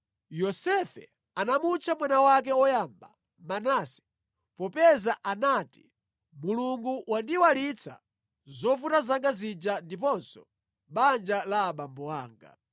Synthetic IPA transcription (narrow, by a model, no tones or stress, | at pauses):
jɔsɛfɛ̰ | anamut͡ʃʰamwanawak̬ɛɔjaːmba | manasi̥ | pɔpɛzaʔanaːti̥ | muluŋɡuwandiwalit͡sʰa̰ | zɔfutazaŋɡazid͡ʒandipɔnsɔ | ɓand͡ʒalaːɓambɔwaːŋɡa̰